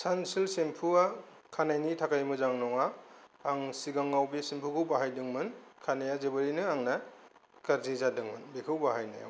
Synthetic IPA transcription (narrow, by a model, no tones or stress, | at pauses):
sansilsempʰua | kʰanajnitʰakajmɯzaŋnɔŋaː | ŋsiɡaŋawbesimpʰukɯwbaɦajdɯŋmɯnkʰanajazebɯɾinɯaŋna | kaɾzizadɯŋmɯnbekʰɯwbaɦajna̰ja̰